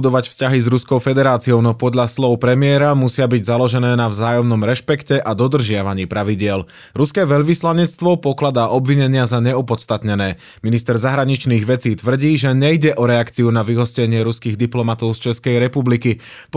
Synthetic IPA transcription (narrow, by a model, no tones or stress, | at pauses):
d̪ɔʋacfscaɦizɾuskɔʊfɛd̪ɛɾaːt͡sijɔʊnɔpɔd̪ʎaslɔʊpɾɛmɪɛɾamusɪabiɟzalɔʒɛnɛːnavzaːjɔmnɔmɾɛʃpɛkcɛʔad̪ɔd̪r̩ʒɪaʋaɲiːpɾaʋiɟɪɛl | ɾuskɛːʋɛʎʋislaɲɛt͡st̪ʋɔpɔklad̪aːʔɔbʋiɲɛɲɪazaɲɛupɔt̪st̪at̪ɲɛnɛː | minist̪ɛɾzaɦɾaɲit͡ʃniːɣʋɛt͡siːt̪ʋr̩ɟiːʒɛɲɛjɟɛʔɔɾɛakt͡siunaʋiɦɔscɛɲɪɛɾuskiːɣd̪iplɔmat̪ɔʊst͡ʃɛskɛjɾɛpubliki | p